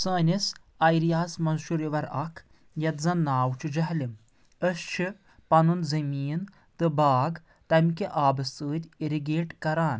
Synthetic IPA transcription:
sɐːnʲis | ɐjɾijaːsmɐnʃuɾiʋɐɾɐkʰ | jɐt̪zɐ̃nːaːwt͡ʃʰid͡ʒɐɦlʲim | əst͡ʃʰi | pɐnunzɐmiːn | t̪ɨbaːɡ | t̪ɐmʲkeʔaːbɐst̪ɨːd̪ʲiɾiɡeːʈkɐɾaːn

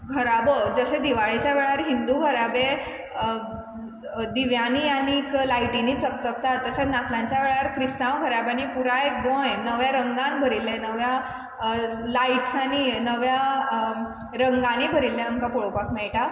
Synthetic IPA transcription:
kʰəɾabəd͡zəɕẽd̪iʋaɭit͡ɕjaʋeɭaəɾɦind̪uɡʱəɾabe | d̪iʋjaniañiːklaiʈiniːt͡səkt͡sək̚t̪at̪ːəɕanat̪lãɲt͡ɕjaʋeɭaɾkɾist̪ãʋɡʱəɾabanipuɾaek̚bõjnəʋjaɾəŋɡãnbʱəɾilẽnəʋja | laiʈsaninəʋja | ɾəŋɡãnibʱəɾilːẽaŋkapɔɭopakmɛɭʈa

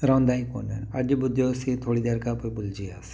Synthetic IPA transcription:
ɾawnd̪aːiko̰ːnɛnɐd͡ʒbʊd̪josit̪ʰoːɽid̪eːɾkapoibʊld͡ʒiaːs

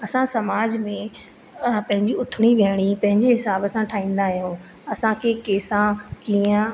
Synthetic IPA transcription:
ɐsãsɐmaːd͡ʑmẽ | pɐ̃ɦɪ̃ɲd͡ʑiʊt̪ʰɪɽ̃iʋəɽ̃ipɐ̃ɦɪ̃ɲd͡ʑeɦɪsaːbɐsãʈʰaːɦĩːn̆d̪aɦijõː | ɐsãkʰeːkeːsãkiə̃

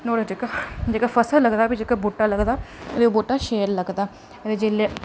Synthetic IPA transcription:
noːɾad͡ʒeːkad͡ʒeːkafʰəsələɡd̪aːbid͡ʒeːkaboːʈaːləɡd̪aːɾeboːʈaːʃeːɾləɡd̪aː | ɾed͡ʒeleː

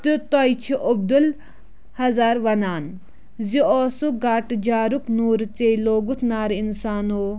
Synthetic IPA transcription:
t̪ɨt̪ojt͡ʃʰiʔob̚d̪ul | hɐzaːɾʋɐnaːn | zioːsuɡaːʈd͡ʒaːɾuknuːɾt͡seloːɡut̪ʰnaːɾinsaːnoː

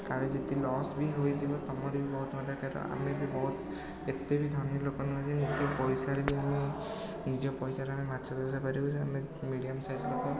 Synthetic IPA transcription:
kaɹezet̪ilɔsbʱiɦojd͡ʒibɔt̪ɔmɔɾibibɔɦut̪mad̪akaɾɔ̰ʔa̰miabibɔɦut̪ | et̪ebid̪ʱɔnjɔlokɔnɔɦsʰinid͡ʒiɔpɔjsaɾebiami | nid͡ʒɔpɔjsaɾamimatsʰɔd̪azapaɾibɔsʰami | miɽijamsajzɔlokɔ

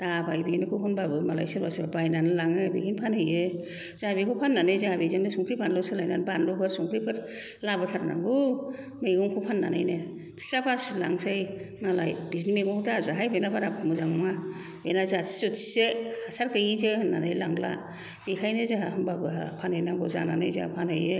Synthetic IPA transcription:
tabajbinɯkʰɯɦunbabɯmala̰jsɯɾbasbabajnanɯlaŋɯbiɡʰinpʰanhɯjɯ | z̥ahabikʰupʰanːanɯjzahabizaŋdɯsuŋkʰɾibʰanlɔsɯlajnanbanlɔbɯɾsuŋkʰɾipʰɯɾ | labɯtʰaɾna̰ŋɡu | mejɡɔŋkʰupʰanːa̰na̰jne | i̥sɾapʰaslaŋsajmala̰jbiznimeɡɔŋzazaɦajbenabaɾabmuzaŋmŋa | benazḁsutsehasaɾkɯjizena̰najlaŋla̰ | b̥ikʰajnezaɦahɯmbabɯɦa̰pʰanhɯjnaŋɡuza̰na̰na̰jza̰pʰanhɯje

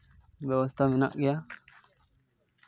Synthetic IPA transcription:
bewas̬t̪amina̰ʔija

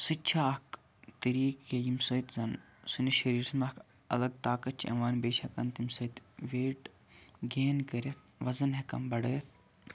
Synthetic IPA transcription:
sɨt͡ʃʰaɐk | t̪ɐɾiːkːejimsɐjt̪zɐn | sɨniʃɐɾiːɾsmɐk | ɐ̰lɐɡ̚t̪aːkɐt̪̚t͡ʃʰʔɐ̰maːnbeːʃɐkɐnt̪imsɐt̪ʋeːʈ | ɡeːnkɐɾet̪ | ʋɐzɐnɦɐkɐ̰mbɐɽɐːt̪

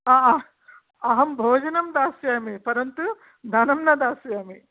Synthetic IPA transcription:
aː | ɐɦɐmbʱoːd͡ʒɐnɐmd̪aːsjaːmipɐɾɐnt̪u | d̪ʱɐnɐmnɐd̪aːsjaːmi

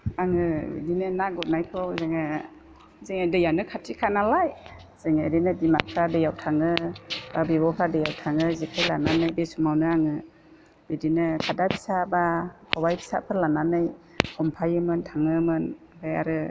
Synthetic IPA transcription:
aŋɯbḭdinɯnaɡɔt̚najkʰɯwzeŋa | zeŋadɯjanɯkʰatʰikʰanalajz̥ɯŋeɾinɯdima̰kʰɾadɯjawtʰaŋɯbabibɔkʰɾadɯjawtʰaŋɯzikʰajlananɯjbesumawnɯaŋɯ | bidinɯkʰadapʰi̥sabakʰɔbajpʰi̥sa̰pʰɯɾlananɯj | kʰɔmpʰajɯmɯntʰaŋɯmɯn | bɯja̰ɾɯ

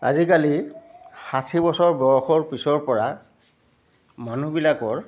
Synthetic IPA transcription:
a̰zikali | xasʰibɔsɔɹbɔɹɔxɔɹpisɔɹpɔɹa | manubilakɔɹ

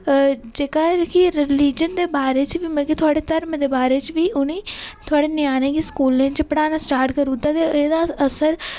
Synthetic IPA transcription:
d͡ʒeːkakiɾɪliːd͡ʒənd̪eːbaːɾeːt͡ʃʋiːmɛ̃ːkit̪ʰʊaːɽeːt̪əɾmd̪eːbaːɾeːt͡ʃʋiːʔʊnẽːt̪ʰʊaːɽeːnɪjaːñẽːkiskuːlẽːt͡ʃɪpəɽaːnãːsʈaːɾʈkəɾuːt̪aːt̪eeːd̪aəsəɾ

